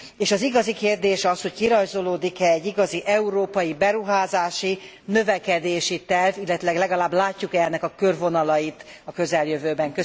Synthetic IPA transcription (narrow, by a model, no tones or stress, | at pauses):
eːʃɒziɡɒzikeːrd̪eːʃɒsho̞ckiɾɒjzo̞loːd̪ikɛːɟːiɡɒziʔɛuɾoːpɒjibɛɾuɦaːzaːʃi | nø̞vɛkɛd̪eːʃit̪ɛrvilːɛt̪ilɛɡlɛɡɒlaːblaːcːukɛɛnːɛkɒkørvo̞nɒlɒjit̪ɒkø̞zɛljøvøːbɛŋkø